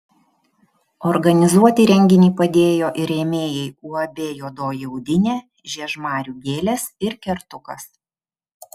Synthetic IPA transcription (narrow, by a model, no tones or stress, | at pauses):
ɔɾɡɐnʲɪzuɔt̪ʲiɾʲɛŋʲɡʲɪnʲiːpɐd̪ʲeːjoːʔɪɾʲeːmʲeːjɛɪuːɐbʲeːjoːd̪oːjɛʊd̪ʲɪnʲeː | ʒʲiɛʒmɑːɾʲuːɡʲeːlʲesɪɾkʲɛɾt̪ʊkɐs